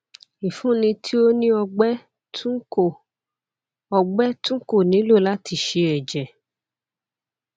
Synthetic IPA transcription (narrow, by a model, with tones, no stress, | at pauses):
i˨fũ˨˦nĩ˧tʰi˦o˦nĩ˦ɔ˧ɡ͡bɛ˦ | tũ˦o˨ | ɔ˧ɡ͡bɛ˦tũ˦ko˦˨nĩ˨˦lo˦˨la˦ti˧˨ʃe˧ɛ˨d͡ʒɛ˨